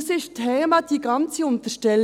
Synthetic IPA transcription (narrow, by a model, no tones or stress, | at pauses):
sɪʃtʰɛːmɑd̪̥iːɡ̥ɑnt͡səʊnt̪əʃtɛl